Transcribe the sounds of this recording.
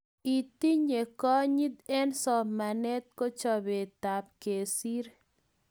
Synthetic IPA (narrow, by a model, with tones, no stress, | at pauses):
i˨t̪i˦ɲe˨kɔ˦ɲi˦d̪ɛ˦nsɔ˨ma˨nɛ˦t̪̚ko˦t͡ʃɔ˨be˨t̪a˨p̚ke˨si˦ɾ